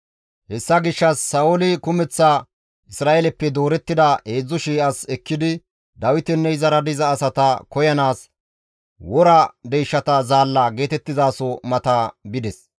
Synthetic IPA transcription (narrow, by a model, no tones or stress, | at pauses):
hɛsːɐɡɪʃːɐsːɐʔʊlɪkʊmɛt͡sːɐ | ʔɪsɾaːʔelɛpːɛd̪o̞ːɾɛt̪ːɪd̪ɐe̞ːd͡zːɔʃiːʔɐsɛkːɪd̪ɪ | d̪ɐwɪt̪ɛnːɛɪzɐɾɐd̪ɪzɐːsɐt̪ɐkɔjɐnaːs | wɔɾɐd̪ɛjʃːɐt̪ɐzaːlːɐɡe̞ːt̪ɛt̪ːɪzaːsɔmɐt̪ɐbɪd̪ɛs